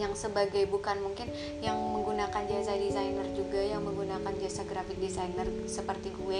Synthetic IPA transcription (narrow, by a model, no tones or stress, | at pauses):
jaŋsəbaɡajbukanmuŋkɪn | jaŋməŋɡunakand͡ʒasadisajnərd͡ʒuɡajaŋməŋɡunakand͡ʒasaɡɾafɪk̚disajnər | səpərt̪iɡuɛ